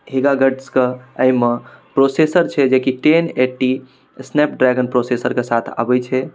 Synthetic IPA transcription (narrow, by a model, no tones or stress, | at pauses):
ɦeɡaɡəɖskeəjmepɾosesəɾt͡ʃʰɛd͡ʒekiʈeneʈːi | snep̚ɖɾɛɡənpɾosesəɾkesat̪ʰa̰bɛjt͡ʃʰɛ